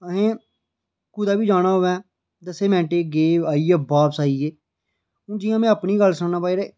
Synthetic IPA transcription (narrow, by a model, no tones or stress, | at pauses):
əɦẽː | kuːd̪aːbiːd͡ʒaːɽaːɦoːʋɛ̃ː | d̪əseːmɛ̃ːɳʈeːɡeːaːiːebaːbsaːiːeː | ɦũːd͡ʒɪːãːmɛ̃ːəpniːɡəlsəɳnãːpaːiɾeː